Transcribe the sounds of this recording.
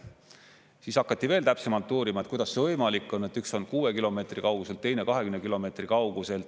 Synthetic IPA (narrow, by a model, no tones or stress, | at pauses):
siːsɑkːˑɑt̪ːˑive̞ːlt̪æpsemɑlt̪ːˑuːɾimɑet̪̚kujd̪ɑsvɤjmɑlikːˑo̞nːe̞t̪ːˑykso̞nkuːekilo̞me̞ːt̪rikɑwɡuse̞lt̪ːe̞jne̞kɑɦe̞kynkilo̞me̞t̪rikɑwɡ̥use̞lt̪